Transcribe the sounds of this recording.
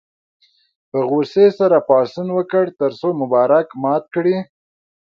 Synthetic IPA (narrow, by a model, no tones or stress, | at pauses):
pəɣusesaɾapɑsinwəkəɽt̪əɾsomʊbɑɾakmɑt̪̚kɽi